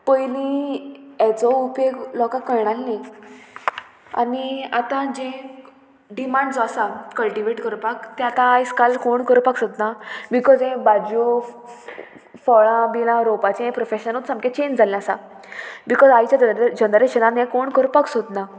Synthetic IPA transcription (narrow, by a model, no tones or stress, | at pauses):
pəjlĩ | ɛt͡sɔupeɡlɔkãkːəɾɳ̃alne | a̰niat̪ãd͡ʑẽ | ɖimãɳɖd͡zɔasakəlʈiʋeʈkəɾpakt̪ɛat̪ãːjskalkoɳkəɾupaksod̪nabikɔd͡zẽbad͡ʑo | fɔɭãbilãɾopat͡ɕiɛ̃pɾofeɕənot̪səmket͡ɕẽnd͡ʑd͡zʱalãasa | bikɔzajt͡ɕaəd͡ʑənəɾeɕənanjɛ̃koɳkəɾupaksod̪na